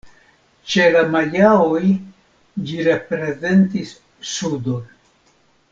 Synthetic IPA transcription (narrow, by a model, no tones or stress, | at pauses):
t͡ʃe̞lamaʎaoj | d͡ʒiɾepɾe̞ze̞ntisː | udo̞n